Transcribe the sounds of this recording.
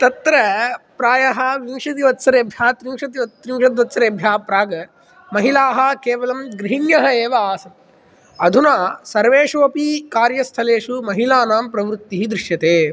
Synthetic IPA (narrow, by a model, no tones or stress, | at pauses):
t̪ɐt̪ɾɐpɾaːjɐɦɐʋimʂɐt̪̬iʋɐt̪sɐɾeːbʱjaːt̪ɾimʂɐt̪iʋɐt̪ɾimʂɐd̪ʋɐt̪sɐɾeːbʱjaːpɾaːɡɐ | mɐɦilaːɦɐkeːʋɐlɐmɡɾiɦinjɐɦɐeːʋɐaːsɐt | ɐd̪ʱunaːsɐɾʋeːʂoːpikaːɾjɐst̪ʰɐleːʂumɐɦilaːnaːmpɾɐʋɾut̪ːiɦid̪ɾɪʂjɐt̪eː